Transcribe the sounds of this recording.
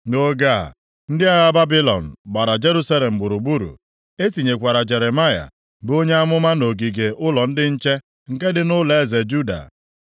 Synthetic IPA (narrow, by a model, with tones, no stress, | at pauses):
no˦ɡa̰˦˨ | n̩˦dɪ˦a˦ɣa˦ba˦bi˦lɔ̰˨n̩˨ɡ͡ba˨ɾa˨d͡ʒe˦ɾu˦sa˦le˨m̩˨ɡ͡bʊ˨ɾu˨ɡ͡bu˦ɾṵ˨ | e˦ti˨ɲe˨kʷa˨ɾa˨d͡ʒe˨ɾe˨ma˦ja̰˨ | bo˦ɲe˦a˦mʊ˦ma˦no˨ɡi˨ɡe˨ʔʊ˦lɔ˨n̩˦dɪ˦n̩˦t͡ʃe˦ | ŋ̩˨ke˦dɪ˨nʊ˦le˨˦˨ze˨d͡ʒu˦da̰˨